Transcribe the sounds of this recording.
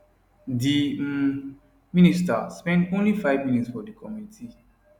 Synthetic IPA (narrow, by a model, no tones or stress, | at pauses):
di | ministaspɛ̃ntõnlifaɪvmĩnitsfɔdikʰɔmitʰi